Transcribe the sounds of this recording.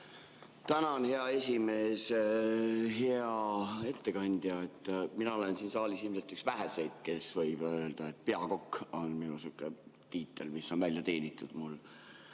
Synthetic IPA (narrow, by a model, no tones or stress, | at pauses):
t̪ænɑonhe̞ɑe̞sʲime̞ːs | ɦe̞ɑe̞t̪ːe̞kɑnʲd̪̥jɑet̪ːˑminɑole̞nsiːnsɑːlisilmse̞lt̪yksvæɦe̞se̞jd̪̥̚ke̞svɤjb̥øld̪̥ɑe̞t̪̚ːˑpe̞ɑko̞kːo̞nminusukːˑe | t̪iːt̪ːˑelmisːo̞nvælʲjɑt̪e̞ːnʲit̪ːˑud̪̥mulː